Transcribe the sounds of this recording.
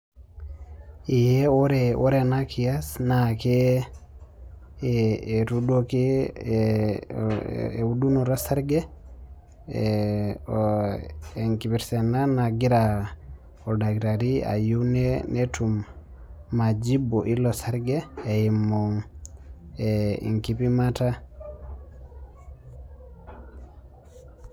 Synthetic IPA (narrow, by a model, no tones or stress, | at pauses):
ijɛwɔɾɛwʔɔɾɛnakʰiasnakɛ | ɾudokɛ | udunuɾɔsaɾɡɛ | ɛŋkibiɾsɛnanaɡiɾa | ɔdaɡɾaɾia̰juwnɛnetumː | ad͡ʒibɔʔilɔsaɾɡɛːimːɔŋ | ɛ̰ŋkipimata